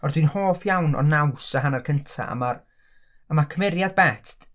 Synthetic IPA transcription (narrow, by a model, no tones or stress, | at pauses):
ɔrdwiɨnhoːfjawnɔ̰nawsaɦanarkʰəntʰa̰ʔa̰mar | əmakʰəmɛɾjad̚bɛtt